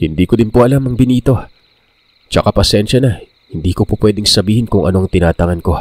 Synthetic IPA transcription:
hɪnd̪iːkod̪ɪnpoʔɐlamɐŋbɪniːt̪o̞ | t͡ʃɐkapɐsɛnʃɐnɐ | hɪnd̪iːkopopwɛd̪ɪŋsɐbiːhɪnkʊŋʔɐ̰no̞ʔɐŋt̪ɪnaːt̪ɐŋɐnko̞

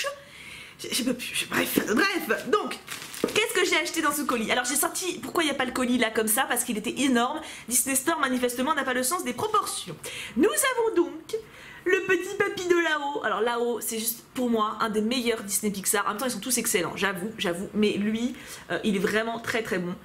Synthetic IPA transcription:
ʒʒepapy̥ʒbʁɛfbʁɛfd̪ɔ̃kkʲɛskəʒeaʃt̪ed̪ɑ̃səkɔlialɔʁʒesɔʁt̪ipuʁkwailjapaləkɔlilakɔmsapaʁsə̥kilet̪ɛʔenɔʁmd̪isnest̪ɔʁmanifɛst̪əmɑ̃napaləsɑ̃sd̪epχɔpɔʁsjɔ̃nuzavɔ̃d̪ɔ̃k | ləpət̪ipapid̪əlaoa̰lɔʁlaosɛʒyst̪puʁmwaʔɛ̃d̪emejœʁd̪isnepiksaʁɑ̰̃mɛ̃mt̪ɑ̃ils̬ɔ̃t̪usɛkselɑ̰̃ʒavuʒavumɛlɥi | øʔilɛvʁɛmɑ̃t̪χɛt̪χɛbɔ̃

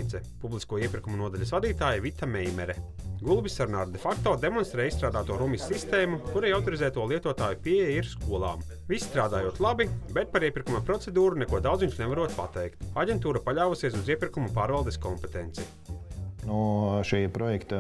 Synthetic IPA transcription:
t̪sɛpublˠiskuɔiɛpʲiɾkumunuɔd̪aʎʲɐsvad̪iːt̪aːjavit̪amɛjmɛɾɛ | ɡulˠbisaɾnaɾd̪ɛfakt̪oːd̪emɔnst̪ɾɛːist̪ɾaːd̪aːt̪uɔɾumisʲːist̪eːmukuɾajawt̪ɔɾizɛːt̪uɔlˠiɛt̪uɔt̪aːjupiejjiɾskuɔlˠa̰ːm | visʲi̥st̪ɾaːd̪aːjuɔt̪lˠabibɛt̪̚paɾiɛpʲiɾkumɐpɾɔt̪sed̪uːɾunekuɔd̪awd̪zjunʲt͡ʃ̪nɛvaɾuɔt̪̚pa̰t̪ɛjkt̪aɟʲent̪uːɾapaʎʲaːvusiɛsuziɛpʲiɾkumupaːɾvalˠd̪eskɔmpɛt̪ent̪sɛ | nuʃɛjpɾɔjɛkt̪a

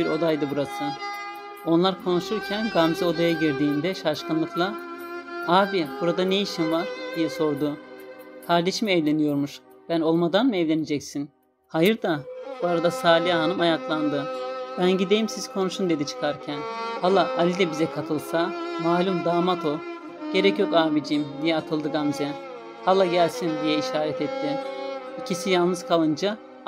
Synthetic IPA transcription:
biɾo̞d̪ajd̪ɯbuɾasɯ | o̞nlˠaɾkʰo̞nuʃuɾcʰænɡamzio̞d̪ajaɟiɾd̪iːnd̪ɛʃaʃkʰɯnlˠɯklˠa | aːbibuɾad̪anejiʃimvaɾd̪̥ijɛso̞ɾd̪ukʰaɾd̪eʃmɛɛvlʲe̞nijo̞ɾmuʃ | b̥æno̞lˠmad̪anmɯɛvlʲe̞ned͡ʒɛcsin | hajɯɾd̪abuaɾad̪asaːlʲijaɦanɯmajaklˠand̪ɯbænɟid̪e̞jimsizkʰo̞nuʃund̪e̞d̪it͡ʃʰɯ̥kʰaɾcʰænhalˠːaalʲid̪ɛbizɛkʰat̪ʰɯlˠsamaːlʲumd̪aːmat̪ʰo̞ | ɟ̥e̞ɾɛcjo̞kaːmid͡ʒimd̪ijɛat̪ʰɯlˠd̪ɯɡamzɛ | halˠːaɟælʲsind̪ijɛiʃaːɾɛt̪ɛt̪ʰːɪicʰisijalˠnɯz̥kʰalˠɯnd͡ʒa

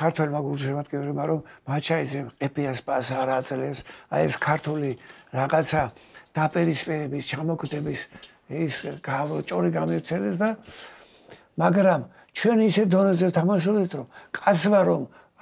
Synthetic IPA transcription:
kʰaɾt̪ʰwɛlmaɡuɾd͡ʒɛmat̪ɡʼivɾɛmaɾɔmːat͡ʃʰaid̪zɛmqʼɛpʰiaspʼasaɾad̪zʼlɛpsajɛ̰skʰaɾt̪ʰuliɾaʁat̪sʰad̪̥apʼiɾispʼiɾɛbist͡ʃʰamɔɡʰd̪ɛbis | isɡat͡ʃʼɔɾiɡamivt̪sʰɛlɛsd̪a | maɡɾam | t͡ʃʰwɛnisɛt̪d̪ɔnɛzɛvt̪ʰamaʃ̬ubd̪it̪ʰɾɔmkʼat̪sʰmaɾɔm

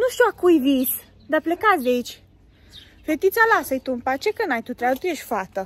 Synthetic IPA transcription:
nuʃt̪iakujvis | d̪aplekat̪sʲd̪ʲait͡ʃʲ | fet̪it̪sʲalasəjt̪umpat͡ʃekənajt̪ut̪ɾʲeabt̪ujeʃʲfat̪ə

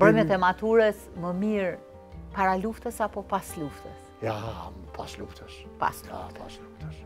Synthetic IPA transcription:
bɾɔjmɛt̪ɛmat̪uɾəs | məmiɾ | paɾaluft̪əsapɔpasluft̪ə̰s | japʰasluft̪əs | pa̰sapasluft̪əs

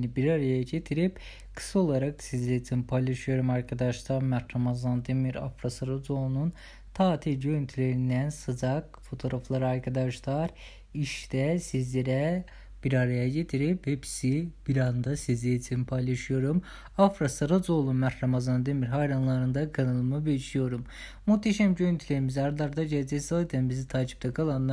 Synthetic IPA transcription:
nibiɾaɾajaɟet̪ʰiɾip | kʰɯ̥sao̞lˠaɾaksizlʲeit͡ʃʰinipʰajlˠaʃɯjo̞ɾumɑɾkʰad̪ɑʃt̪aɾmæt̪ɾamazand̪emiɾa̰fɾasɯɾad͡ʒ̪onun | t̪ʰaːt̪ʰiɾɟønt̪ʰylʲeɾind̪ænsɯd͡ʒakfo̞t̪ʰo̞ɾaflˠaɾaɾkʰad̪ɑʃlˠaɾ | iʃd̪ɛsizlʲeɾɛ | b̥iɾaɾajaɟet̪ʰiɾiphepʰsib̥iɾand̪asizlejt͡ʃʰinipʰajlˠɑʃɯjo̞ɾum | afɾasɯɾazolˠunmæɾɾamazand̪emiɾɦajɾanlˠaɾɯnd̪akʰɯnɯlˠɯmɯbeiʃijo̞ɾum | mut̪ʰːeʃæmɟøjynt̪ʰylʲeɾimiziaɾad̪ˠaɾd̪aɟeled͡ʒɛsalˠɯt̪ʰænbizit̪ʰaːt͡ʃʰi̥p̚t̪ʰɛkʰalˠanːˠ

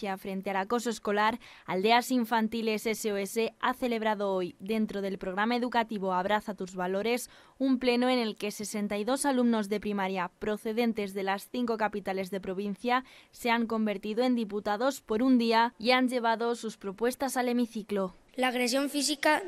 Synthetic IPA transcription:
jafɾe̞nt̪e̞alako̞soesko̞laɾ | ald̪e̞asiɱfant̪ileseseoeseaθe̞le̞β̞ɾaðoojd̪e̞nt̪ɾoð̞e̞lpɾoɣ̞ɾamae̞ðukat̪iβ̞oaβ̞ɾaθat̪uzβalo̞ɾe̞s | umple̞noene̞lke̞se̞se̞nt̪ajðo̞salumno̞zðe̞pɾimaɾjapɾo̞θe̞ðe̞nt̪e̞zðe̞lasθiŋko̞kapit̪ale̞zðe̞pɾo̞β̞in̟θjase̞aŋko̞mbe̞ɾt̪iðoe̞nd̪iput̪aðo̞spo̞ɾund̪iaianʝe̞β̞aðo̞suspɾo̞pwe̞st̪asale̞miθiklo | laːɣɾes̬joɱfisika

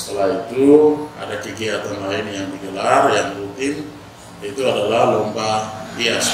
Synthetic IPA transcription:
k̪ɔlait̪ua̰dakiɡiat̪anlainjaŋd̪iɡəlarjaŋrut̪in | it̪uadalalɔmbapias

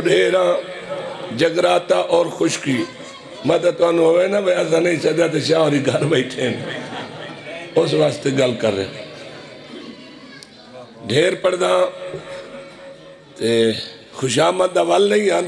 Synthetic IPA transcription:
ɖʱeːɾãː | d͡ʒəɡɾaːt̪aːʔɔːɾxʊʃkiː | mãːt̪aːt̪ʊãːnũːɦoʋeːnãːbəəsãːnəĩːt͡ʃəd̪aːt̪eːʃãːõːɾiːɡʱəɾbəiʈʰeːn | ʊs̬ʋaːst̪eːɡəlkəɾːḛ̃ː | ɖʱeːɾpəɽd̪ãː | t̪eː | xʊʃaːmət̪̚d̪aːʋəlnəĩːãː

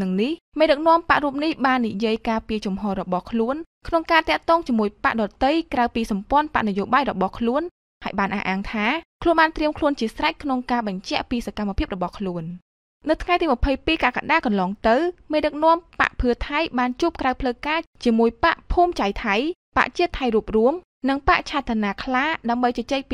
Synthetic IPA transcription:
nɨŋnih | meːɗɨk̚nɔ̆əmpaʔruːp̚nihɓaːnːijiəjkaːpiət͡ɕumɦɔːɾɔɓɑhkʰluən | kʰnoŋkaːt̪ɛ̆əʔt̪ɔːŋt͡ɕiəmuəjpa̰ʔɗɑːt̪ɨjkrawpiːsɑmpŏənpa̰ʔnɨjoːɓaːjrɔɓɑhkʰluən | haəjɓaːnʔa̰hʔaːŋt̪ʰaːkʰluənɓaːnt̪riəmkʰluənt͡ɕiəsrac̚kʰnoŋkaːɓɑɲt͡ɕɛ̆əʔpiːsakamːapʰiəp̚rɔɓɑhkʰluən | nɨwt̪ʰŋajt̪iːmɨ̆əpʰəjpiːkaka̰ɗaːkɑnlɑːŋt̪ɨwmeːɗɨk̚nɔ̆əmpa̰ʔpʰɨət̪ʰajɓaːnt͡ɕuəp̚krawpʰləːkaːt͡ɕiəmuəjpa̰ʔpʰuːmt͡ɕajt̪ʰajpa̰ʔt͡ɕiət̪ʰːajruəp̚ruəm | nɨŋpa̰ʔt͡ɕʰaːt̪ʰːanaːkʰlaːɗaəmɓəjt͡ɕɑt͡ɕeːk̚p

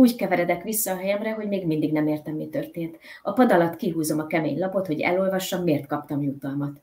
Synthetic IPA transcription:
uːckɛvɛɾɛd̪ɛkʋisːɒːɦɛjɛmrɛɦo̞ɟmeːɡmind̪iɡnɛmeːrt̪ɛmːit̪ø̞rt̪eːnt̪ɒpɒd̪ɒlɒt̪kiɦuːzo̞mɒkɛmḛːɲlɒpo̞t̪ho̞ɟɛ̰lo̞lvɒʃːɒmːeːrt̪kɒp̚t̪ɒmjut̪ɒlmɒt̪

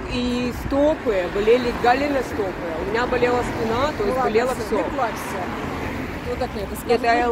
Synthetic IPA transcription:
ist̪opɨjəbɐlʲelʲɪɡalʲɪnəst̪opɨjəʊmʲɪnʲabɐlʲelˠəspʲɪnat̪ojɪssbɐlʲelˠəfsʲoklˠafʲsʲa | ot̪akʲt̪ | ɛt̪

